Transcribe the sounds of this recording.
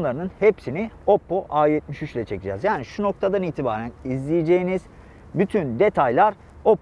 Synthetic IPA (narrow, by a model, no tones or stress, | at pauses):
nlˠaɾɯnɯnhepsinio̞pːoʔaːjɛt̪̚miʃyt͡ʃlʲɛt͡ʃʰe̞kid͡ʒɛ̰zjaːniʃuno̞k̚t̪ʰad̪aniːt̪ʰibaːɾænizlʲijid͡ʒe̞jiniz̥ | byt̪ʰynd̪e̞t̪ʰajlʲˠaɾ | op